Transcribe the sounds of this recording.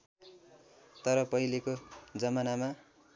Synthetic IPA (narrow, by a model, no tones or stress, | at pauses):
t̪ʌɾʌpʌilekod͡zʌmanama